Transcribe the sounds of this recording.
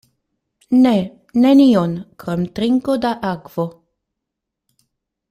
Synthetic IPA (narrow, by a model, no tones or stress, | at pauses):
ne | nenionkɾomtɾiŋkodaʔakv̥o